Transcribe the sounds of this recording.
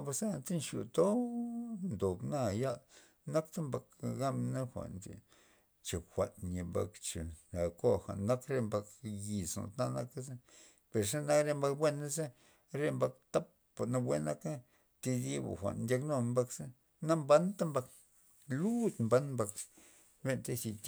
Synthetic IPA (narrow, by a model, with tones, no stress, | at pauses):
ba˧sa˦˨nt̪e˦nʃjṵ˨t̪o˦ | nd̪o˨bna˦˧ja˦l | na˦kt̪a˦mba˧kɡa˦mna˦xʷa̰˨nd̪ʲḭ˨ | t͡ʃe˨xʷa̰˨nɲi˨mba̰˧kt͡ʃḛ˨na˨ko˦xʷa̰˨ʔnːa˦kɾe˧mba˧kji˨sno̰˨t̪na˦na˦ka˦za˦ | pe˨ɾʂ̬a˦na˦kɾe˧mba˧k̚bwe˦na˦za˦ | ɾe˦mba˧k̚t̪a˦pː | a˨na˧wʷe˦na˦ka˦ | t̪i˧d̪i˦ba̰˨xʷa̰˨ndʲa˧kno˧mba˧ksa˦ | na˦mba˦nt̪a˦mba˧k | lu˦t̪mba˦nmba˧k | be˦˧nt̪a˦si˧t̪ʲ